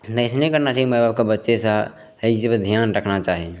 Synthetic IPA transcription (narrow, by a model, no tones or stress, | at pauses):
t̪ːɪsnekəɾnat͡ʃaɦiməbab̚kebətːʃesə | eisebd̪ʱijanɾəkʰnat͡ʃaɦi